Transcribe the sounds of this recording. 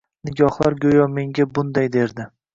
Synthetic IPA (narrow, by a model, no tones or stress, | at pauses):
nɪɡʲɒhlˠaɾɡʲojɒme̞ŋɡʲabʊnd̪ajd̪e̞ɾd̪ɪ